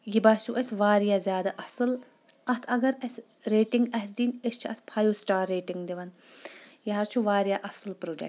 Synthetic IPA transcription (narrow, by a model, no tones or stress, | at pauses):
jibaːt͡ʃʰuʔesʲʋaːɾijaːzʲjaːd̪aʔɐsɨl | ɐt̪ʰɐɡɐɾɐsʲ | ɾeːʈiŋɡɐsd̪iːnest͡ʃʰiɐt̪ʰpʰaːjuːsʈaːɾːeːʈiŋɡd̪iʋɐn | jɐɦɐɾt͡ʃʰuʋaːɾjaːʔɐsɨlpɾoːɖḛkʈ